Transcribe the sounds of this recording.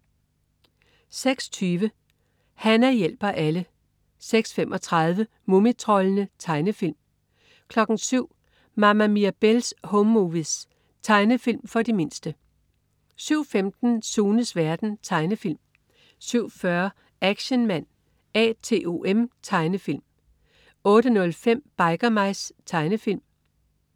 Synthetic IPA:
seɡ̥st͡sʰyːʋə | hænæjel̰b̥ɐʔælə | seɡ̥sfem̰ʔɒ̽t͡sʰʁɑð̞ˠʋə | momit͡sʰʁɒlənət͡sʰɑ̈ɪnəfil̰m | kʰlɒ̽ɡ̥n̩syʊ̰ | mɑmæmiæb̥elshomːuʋis | t͡sʰɑ̈ɪnəfil̰mfɒ̽d̥ime̝n̰sd̥ə | syʊ̰femd̥n̩suːnəsʋæɐd̥n̩t͡sʰɑ̈ɪnəfil̰m | syʊ̰fɶɐ | æɡ̥ɕənmæn̰ | ɛ̰ːt͡sʰe̝ːʔo̝ʔemt͡sʰɑ̈ɪnəfil̰m | ɔ̽ːɾənɔ̽lfem̰b̥ɑ̈ɪɡ̥ɐmɑ̈ɪst͡sʰɑ̈ɪnəfil̰m

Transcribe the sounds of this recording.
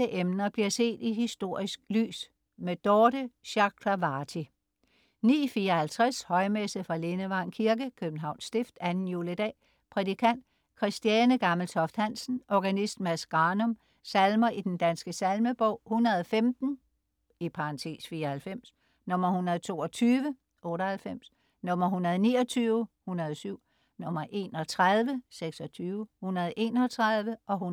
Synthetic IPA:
əʔemnɐb̥liɐse̝̰ːd̥iɦisd̥o̝ɐ̰isɡ̥̚ly̰ːs | med̥ɒːd̥əɕɑ̈ɡ̥ʰlɑʋɑ̈ːt͡sʰi | nḭːfiːɐhælt͡sʰʁashɒ̽ɪmesəð̩ˠfʁɑ̈le̝nəʋɑ̈ŋkʰiɐɡ̥əkʰøb̥̚n̩ɦɑ̈ʊ̰nsd̥e̝fd̥ænn̩juːləd̥ɛ̰ː | pʰʁɛd̥ikʰæn̰d̥ | kʰʁisd̥iɛnəɡ̥ɑ̈məl̩t͡sʰɒ̽fd̥hæn̰sn̩ʔɒɡ̥ænisd̥mæsɡ̥ʁɑ̈ːnɔ̽m | sælmɐʔid̥end̥ænsɡ̥əsælməb̥ɒʊ̰hunɐð̩ˠɒfemd̥n̩ | ipʰɑ̈ɑnt͡sʰe̝̰ːsfiːɐhælfem̰s | nɔ̽m̰ɐhunɐð̞̩ˠt͡sʰo̝̰ːɒ̽t͡sʰyːʋə | ʔɔ̽ːɾɐhælfem̰s | nɔ̽mɐɦunɐð̞ˠniːɒ̽t͡sʰyːʊhunɐð̞ˠsyʊ̰ | nɔ̽mɐʔe̝̰ːnɒ̽t͡sʰʁaðˠʋəseɡ̥sɒ̽t͡sʰyːʊhunɐðˠʔe̝̰ːnɒt͡sʰʁaðˠʋəʔɒ̽hu

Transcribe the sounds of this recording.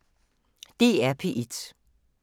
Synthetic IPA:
d̥e̝̰ːæɐpʰe̝ʔed̥

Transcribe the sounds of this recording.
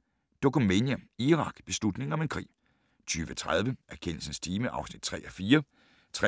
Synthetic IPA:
d̥o̝kʰumenæiʁɑ̈ɡ̥b̥e̝slud̥ne̝ŋ̩ɒ̽me̝nkʰʁḭː | t͡sʰyːʋət͡sʰʁað̞ˠʋəʔæɐkʰen̰l̩sən̩st͡sʰiːməʔɑ̈ʊsnid̥̚t͡sʰʁɛ̰ːʔɒfiːɐ | t͡sʰʁɛ

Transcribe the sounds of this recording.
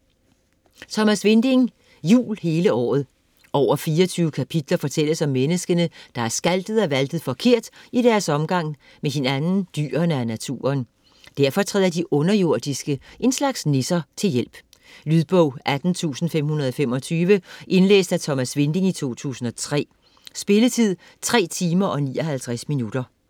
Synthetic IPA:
t͡sʰɒ̽mæsʋe̝nd̥e̝ŋ | jṵːlhe̝ːləɒ̰ːð̞̩ˠ | ʔɒʊ̰ɐfiːɐɒt͡sʰyːʊəkʰæpʰid̥lɐfɒ̽t͡sʰel̰əsɒ̽mːenəsɡ̥ənəd̥ɑ̈æɐsɡ̥æld̥ð̩ˠɒ̽ʋæld̥ð̞̩ˠfɒ̽kʰe̝ɐ̰d̥id̥æɐsɒ̽mɡ̥ɑ̈ŋ̰ | meɦe̝nænn̩d̥y̰ːɐnəænæt͡sʰṵːɐn | d̥æɐfɒ̽t͡sʰʁɛð̰ˠɐd̥iʔɔ̽nɐjo̝ɐ̰d̥isɡ̥əʔe̝nslɑ̈ɡ̥snesɐt͡sʰe̝ljel̰b̥ | lyðˠb̥ɔʊ̰ʔæd̥n̩t͡sʰṵːsn̩fem̰hunɐð̞ˠɒ̽fem̰ɒ̽t͡sʰyːʋəʔe̝nlḛːsd̥æt͡sʰɒ̽mæsʋe̝nd̥e̝ŋit͡sʰo̝̰ːt͡sʰṵːsn̩ɒ̽t͡sʰʁɛ̰ː | sb̥e̝lət͡sʰið̰ˠ | t͡sʰʁɛ̰ːt͡sʰiːmɐʔɒ̽niːɒ̽ɦælt͡sʰʁasminud̥ɐ

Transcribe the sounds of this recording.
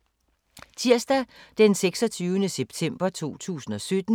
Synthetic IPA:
t͡sʰiɐsd̥æd̥enseɡ̥sɒt͡sʰyːʊənəseb̥̚t͡sʰem̰b̥ɐt͡sʰo̝̰ːt͡sʰṵːsn̩ɒ̽sød̥n̩

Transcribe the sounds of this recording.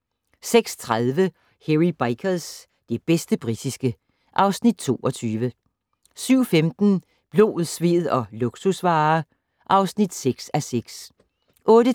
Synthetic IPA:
seɡ̥st͡sʰʁaðˠʋə | heʁib̥ɑ̈ɪkʰəls | d̥e̝b̥esd̥əb̥ʁid̥isɡ̥ə | ʔɑ̈ʊsnid̥̚t͡sʰo̝̰ːɒ̽t͡sʰyːʋə | syʊ̰femd̥n̩ | b̥lo̝̰ːð̩ˠsʋe̝̰ð̩ˠɒ̽luɡ̥susʋɑ̈ː | ʔɑ̈ʊsnid̥seɡ̥sæseɡ̥s | ʔɔ̽ːɾə

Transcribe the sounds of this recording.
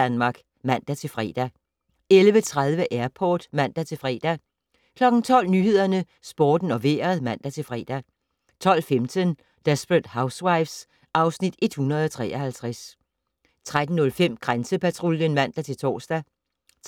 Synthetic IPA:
ænmɑ̈ːɡ̥ | mæn̰d̥æt͡sʰe̝lfʁɛ̰ːd̥æ | elʋət͡sʰʁað̞ˠʋəʔæɐpʰɒːd̥mæn̰d̥æt͡sʰe̝lfʁɛ̰ːd̥æ | kʰlɒ̽ɡ̥n̩t͡sʰɒ̽l̰nyɦe̝ð̞̰ˠɐnə | sb̥ɒːd̥n̩ɒ̽ʋe̝ːɐɐðˠmæn̰d̥æt͡sʰe̝lfʁɛ̰ːd̥æ | t͡sʰɒ̽l̰femt͡sʰən | d̥esb̥ʁəd̥häʊswaɪfs | ɑ̈ʊsnid̥e̝d̥hunɐð̞ˠɒt͡sʰʁɛ̰ːɐhælt͡sʰʁas | t͡sʰʁad̥n̩nɔ̽lfem̰ɡ̥ʁansəpʰæt͡sʰʁoljənmæn̰d̥æt͡sʰe̝lt͡sʰɒ̰ːsd̥æ

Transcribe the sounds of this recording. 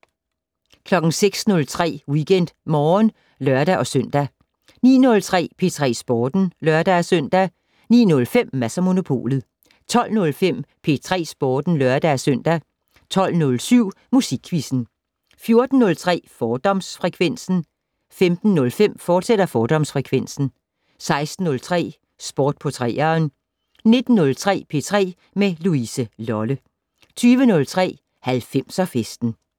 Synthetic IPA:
kʰlɒ̽ɡ̥n̩seɡ̥snɔ̽lt͡sʰʁɛ̰ːwiɡ̥en̰d̥mɒːn | lɶɐd̥æʔɒ̽søn̰d̥æ | nḭːnɔ̽lt͡sʰʁɛ̰ːpʰe̝t͡sʰʁɛ̰ːsb̥ɒːd̥n̩lɶɐd̥ææsøn̰d̥æ | nḭːnɔ̽lfem̰mæsɐmo̝no̝pʰo̝̰ːlð̩ˠ | t͡sʰɒ̽l̰nɔ̽lfem̰pʰe̝t͡sʰʁɛ̰ːsb̥ɒːd̥n̩lɶɐd̥ææsøn̰d̥æ | t͡sʰɒ̽l̰nɔlsyʊ̰ | musiɡ̥ʰʋisn̩ | fjo̝ɐd̥n̩ːɔ̽lt͡sʰʁɛ̰ːfɒːd̥ɒ̽msfʁɛkʰʋen̰sn̩ | femd̥n̩ːɔ̽lfem̰fɒ̥ːseɾ̥ɐfɒːd̥ɒ̽msfʁɛkʰʋen̰sn̩ | sɑ̈ɪsd̥n̩ːɔ̽lt͡sʰʁɛ̰ː | sb̥ɒːd̥̚pʰɒ̽t͡sʰʁɛ̰ːɐːn | ne̝d̥n̩ːɔ̽lt͡sʰʁɛ̰ːpʰe̝̰ːt͡sʰʁɛ̰ː | meluisəlɒ̽lə | t͡sʰyːʋənɔ̽lt͡sʰʁɛ̰ː | hælfem̰sɒ̽fesd̥n̩

